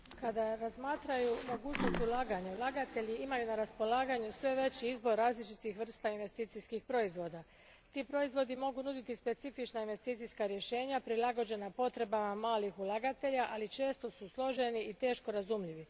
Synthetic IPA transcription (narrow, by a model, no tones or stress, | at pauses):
kad̪aɾazmaːt̪ɾajumo̞ɡuːt͡ɕnost̪ulaːɡaɲeulˠaːɡat̪e̞ʎiimajunaɾaspo̞laːɡaɲusʋe̞ʋe̞t͡ɕiizbo̞ɾːaːzlit͡ʃit̪ixʋr̩st̪ainʋe̞st̪iːt̪siskixpɾo̞izʋo̞ːd̪a | t̪iːpɾo̞izʋo̞d̪imo̞ɡunud̪it̪ispe̞t̪sifit͡ʃnainʋe̞st̪iːt̪sijskaɾje̞ʃe̞ːɲapɾilaɡo̞d͡ʑe̞napo̞t̪ɾe̞bamamaːlixulˠaɡat̪e̞ʎaʔalit͡ʃe̞ːst̪o̞suslˠo̞ʒe̞niit̪e̞ːʃko̞ɾazumʎiʋi